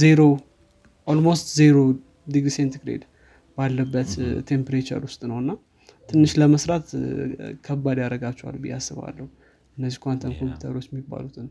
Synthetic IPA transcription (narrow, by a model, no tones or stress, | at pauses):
zeɾo̞ | ʔolmost̪zeɾo | diɡɾisent̪iɡɾḛd̪ | b̥alːəbːət̪ʰːe̞mpɾet͡ʃə̰ɾwʊst̪ʼnəwɨnːa | t̪ʰɨnːɨʃləməsɾat̪kʰəbːad̪jaɾəɡat͡ʃːɛwa̰lbḭjːa̰sːɨβa̰lːəhu | ɨnːəzːikʷant̪ʰənkʰo̞mpju̥t̪ʰə̰ɾo̞t͡ʃːjɛmːibːa̰lut̪ʰɨn